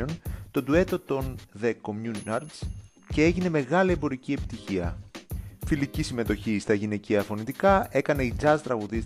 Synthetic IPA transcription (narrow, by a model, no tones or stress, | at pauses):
ont̪o̞d̪ue̞t̪o̞t̪o̞nðe̞ko̞mjunɐɾds | ce̞e̞ʝine̞me̞ɣɐliembo̞ɾicie̞pi̥t̪içiɐ̰ | filicisime̞t̪o̞çist̪ɐʝine̞ciɐfo̞nit̪ikɐe̞kɐne̞id͡zɐzt̪ɾɐɣuðis